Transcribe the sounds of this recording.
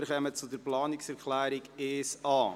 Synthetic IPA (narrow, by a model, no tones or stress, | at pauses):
χɛmət͡sʊd̪əɾplɑːnɪksɛɾklæːɾiɡeːsɑː